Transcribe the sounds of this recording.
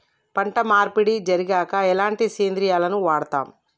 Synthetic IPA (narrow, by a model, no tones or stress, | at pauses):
pɐɳʈɐmaːɾpiɽid͡ʒɐɾiɡaːkɐɛlaːɳʈiseːnd̪ɾijaːlɐnuʋaːɽɐt̪a̰ːm